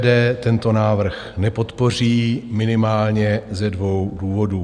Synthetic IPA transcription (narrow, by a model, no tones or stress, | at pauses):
dɛːt̪ɛnt̪o̞naːvr̩x | nɛpo̞t̪po̞r̝iːmɪnɪmaːlɲɛzɛdvo̞wduːvo̞duː